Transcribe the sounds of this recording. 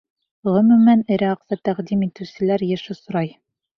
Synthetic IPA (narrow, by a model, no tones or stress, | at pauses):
ʁɵ̆mɵ̆mænɘ̆ɾæɑqt̪ɑt̪æʁd̪imit̪ɘ̆wsɘ̆læɾjɘ̆ʃɘsŏɾɑj